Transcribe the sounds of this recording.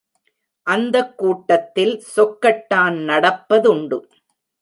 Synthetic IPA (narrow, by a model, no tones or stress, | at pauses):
ʔɐnd̪ɐkːuːʈːɐt̪ːɪlsɔkːɐʈːaːnnɐɽɐpːɐðʊɳɖɯ